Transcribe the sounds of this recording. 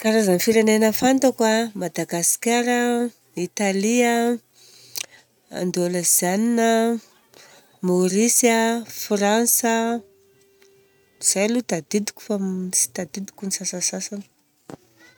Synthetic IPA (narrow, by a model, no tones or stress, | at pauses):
kaɾazanifiɾenenəfant̪akwamad̪aɡasi̥kʲaɾə | it̪aliə | a̰nd̪oləz̥aninə | moɾisjəfransə | iz̥ajlut̪ad̪id̪i̥kʲu̥faisi̥t̪ad̪id̪i̥kʲunisasasasanə̥